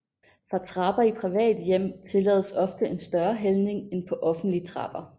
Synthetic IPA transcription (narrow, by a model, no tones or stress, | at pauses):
fʁɑ̈t͡sʰʁɑ̈b̥ɐipʰʁiʋɛ̰ːd̥jem̰t͡sʰe̝lɛ̰ːðˠəsɒ̽fd̥əʔe̝nsd̥ɶɐɦelne̝ŋenpʰɒ̽ʔɒ̽fn̩d̥liət͡sʰʁɑ̈b̥ɐ